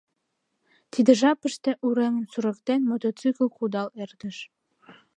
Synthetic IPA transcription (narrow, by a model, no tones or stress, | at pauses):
t̪ʰid̪ɘ̆ʒɑpɘ̆ʃt̪ĕʔuɾeŋɘ̆nsuɾɤ̆kt̪enʲmot̪ot̪syklˠqud̪ɑlˠerd̪ɘ̆ʃ